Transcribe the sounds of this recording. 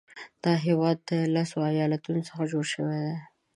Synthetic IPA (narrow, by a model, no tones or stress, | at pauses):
d̪̥ɑɦewɑd̪ːəlasoajɑlat̪unosə̥xad͡ʒoɽʃəwed̪e